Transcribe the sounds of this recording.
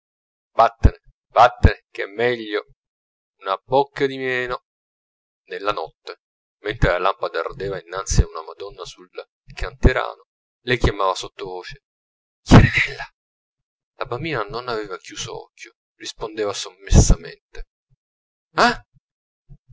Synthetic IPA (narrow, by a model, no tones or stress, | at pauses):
bat̪ːene | b̥at̪ːenekɛ̰mːɛʎːo | unabokːad̪imɛːno | nelːanɔt̪ːe | ment̪ɾelalampad̪a̰rd̪eːvainːant̪siaunamad̪ɔnːasul | kʰant̪eɾa̰ːno | lekjamaːvasot̪ːovoːt͡ʃe | kɛɾɛɛlːa | labambiːnanonavɛːvakjuːzo̰ɔ̰kʲʰːjo | rispond̪eːvasomːesːamḛnt̪e | a